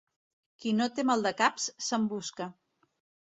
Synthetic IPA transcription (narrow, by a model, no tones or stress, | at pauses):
kinot̪emalˠd̪əkapsːəmbuskə